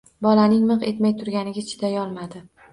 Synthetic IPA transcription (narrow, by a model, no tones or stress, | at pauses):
bɒlanɪŋmɨqe̞t̪majt̪ʰʊɾɡʲanɪɡʲat͡ʃʰɪ̥d̪ajɒlˠmad̪ɪ